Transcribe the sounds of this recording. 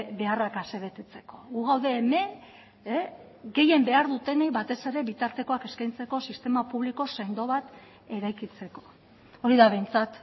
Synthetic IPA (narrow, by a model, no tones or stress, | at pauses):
be̞arakase̞βe̞t̪e̞t͡se̞ko̞ɣuɣawðe̞ːme̞ | ɡe̞je̞mbe̞aɾðut̪e̞neβat̪e̞se̞ɾe̞βit̪aɾt̪e̞ko̞ake̞skajnt͡se̞ko̞sist̪e̞mapuβ̞liko̞se̞nd̪o̞βat̪ | e̞ɾajkit͡se̞ko̞̥ | oɾiðaβe̞jnt͡sat̪